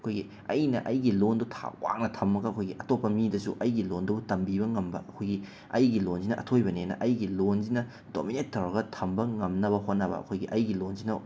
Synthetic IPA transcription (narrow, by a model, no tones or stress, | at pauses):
ɐkʰojɡi | ɐjnɐ̰ʔɐjɡilondutʰa̰wa̰ŋnɐtʰɐmːɐɡɐɐkʰojɡiʔɐtopːɐmidɐsṵʔɐjɡilondubutɐmbibɐŋɐmbɐ̰ɐkʰojɡi | ɐjɡilonzinɐʔɐ̰tʰojbɐnenɐ̰ʔɐjɡilonzinɐ | do̰minetʰːɐwɾɐɡɐtʰɐmbɐŋɐmnɐβɐhot̚nɐbɐ̰ɐ̰kʰojɡiʔɐjɡilonzinɐ